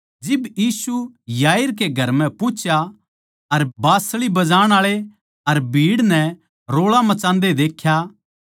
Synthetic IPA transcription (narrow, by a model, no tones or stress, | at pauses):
d͡ʒɪbjiːsujaːɪɾk̬eɡʱɐɾmɛ̃pʊt͡ʃʰja | ɐɾbaːsɭibɐd͡ʒaːɽ̃aːɭe | ɐɾbʱiːɽnɛ | ɾoːɭamɐt͡ʃãːnd̪ed̪eːkʰːja